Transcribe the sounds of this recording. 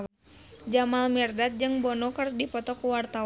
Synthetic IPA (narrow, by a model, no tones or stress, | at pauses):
d͡ʒamalmirdat̪̚d͡ʒɨŋbɔnɔkɨrdipɔt̪ɔkuwart̪a